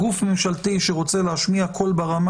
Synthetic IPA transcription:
ɡufmimʃalt̪iʃeʁot͡selehaʃmiakʰo̞lbaʁam

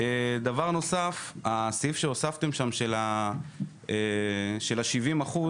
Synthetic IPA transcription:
ed̪avaʁno̞safasifʃeosaft̪e̞mʃamʃela | eʃe̞laʃivimaχu

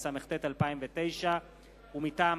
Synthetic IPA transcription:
sameχt̪et̪alpaimvet̪e̞jʃa | umit̪aː

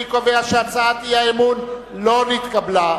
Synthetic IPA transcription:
ikoveaʃɐɾt͡saːt̪ijaemun | lonit̪kɐbla

